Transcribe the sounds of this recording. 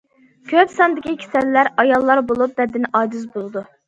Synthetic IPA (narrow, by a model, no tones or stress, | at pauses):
kʲʰøpsɑnd̪ɪkʲʰikʲʰi̥sɛlːæɾɑjɑlˠːɑɾbolˠup̚b̪ɛd̪ɪnʔɑːd͡ʒyzbolˠɨd̪u